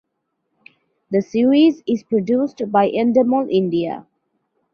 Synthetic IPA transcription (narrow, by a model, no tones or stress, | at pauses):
d̪əsiːɹizɪzpɹoɖjuːsʈbaɪʔɛ̃ndəməlʔɪ̃nɖia̰